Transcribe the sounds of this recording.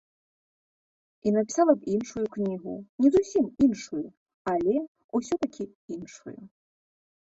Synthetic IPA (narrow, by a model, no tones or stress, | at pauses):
inɐpʲi̥salˠɐbinʂujuknʲiɣṵnʲɛzusʲiminʂuju | alʲɛ | usʲɔt̪akʲi | inʂṵjṵ